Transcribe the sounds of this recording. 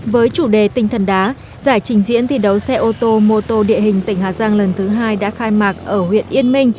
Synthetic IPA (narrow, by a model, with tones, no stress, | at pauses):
vəː˨˦jt͡ɕu˧˩ɗe˨˩t̪ï˨˩ŋ̟t̪ʰə˨˩nɗaː˨˦ | zaː˧˩jt͡ɕï˨˩ŋ̟zḭ˧˥ənt̪ʰi˨˩ɗə˨˦wsɛ˧ʔo˧t̪o˧mo˧t̪o˧ɗḭ˧˨əɦhï˨˩ŋ̟t̪ï˧˩ŋ̟ɦaː˨˩zaː˧ŋlə˨˩nt̪ʰɨ˨˦ɦaː˧jɗa̰ː˧˥xaː˧jmaː˨˩k̚ʔəː˧˩hwḭ˧˨ənʔi˧ənmï˧ŋ̟